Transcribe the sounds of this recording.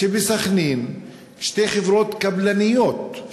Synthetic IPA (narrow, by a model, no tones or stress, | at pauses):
ebesaχnin | ʃtejχevʁot̪kablanijot̪̚